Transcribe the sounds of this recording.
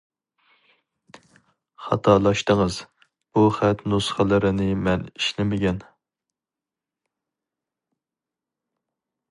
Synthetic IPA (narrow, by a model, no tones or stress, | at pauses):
χɑt̪ʰɑlˠɑʃt̪ɨŋɨz̥ | b̥uχæt̪nusχəlˠɨɾɪnɪmɛniʃnɪmɪɡʲɛn